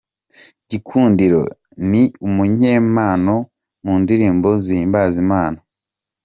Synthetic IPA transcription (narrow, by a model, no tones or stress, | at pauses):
ɟikʰuːndiɾo̞̰ | niumuɲeːmaːno̞ | muːndiɾiːmbo̞ziimbazimaːno